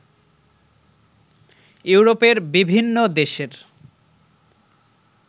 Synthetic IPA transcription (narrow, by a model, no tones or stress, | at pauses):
ewɾopeɾbibʱinːod̪eʃeɾ